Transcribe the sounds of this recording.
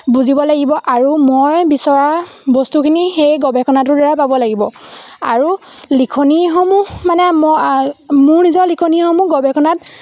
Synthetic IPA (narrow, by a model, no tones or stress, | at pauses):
buzibɔlaɡibɔʔaɹumojbisɔɹa | bɔstukʰinixejɡɔbɛkʰɔnat̬ʊɹdɔɹapabɔlaɡibɔaɹu | likʰɔnixɔmumanɛm | mʊɹnizɔɹlikʰɔnixɔmuɡɔbʱɛkʰɔnat